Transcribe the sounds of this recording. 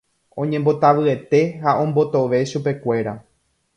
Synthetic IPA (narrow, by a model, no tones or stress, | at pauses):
õ̞ɲẽmbo̞t̪aʋɨe̞t̪e̞haõ̞mbo̞t̪o̞ʋe̞ʃupe̞kʷe̞ɾa